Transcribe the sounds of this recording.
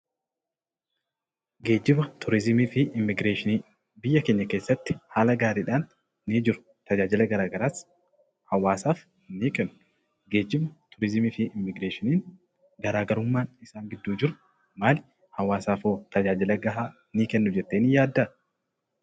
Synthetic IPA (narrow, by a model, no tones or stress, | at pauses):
ɡe̞ːd͡ʒːɪbɐt̪ʊɾɪzɪmiːfiʔɪmːɪɡɾeːʃɪniː | bɪjːɐkeːɲːɐkeːsːɐt̪ːɪ̥haːlɐɡaːɾiːᶑaːnː | iːd͡ʒɪɾʊ̥ | t̪ɐd͡ʒaːd͡ʒɪlɐɡɐɾaːɡɐɾaːs | hɐwaːsaːf | niːkɛnːʊ̥ | ɡe̞ːd͡ʒɪbɐt̪ʊɾɪzɪmiːfɪʔɪmːɪɡɾeːʃɪniːn | ɡɐɾaːɡɐɾʊmːaːnɪsaːŋɡɪd̪ːuːd͡ʒɪɾʊ̥ | maːlɪ | hɐwaːsaːfoːt̪ɐd͡ʒaːd͡ʒɪlɐɡɐɦaː | niːkɛnːʊd͡ʒɛt̪ːeːnijaːd̪ːɐ